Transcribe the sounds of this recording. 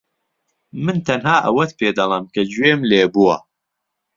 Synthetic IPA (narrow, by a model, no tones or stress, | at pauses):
mɨnt̪ʰɐnɦaːʔɐ̰wɐt̪pʰeːd̪ɐlˠɐmkʰɐd͡ʒweːmleːbuɐ̰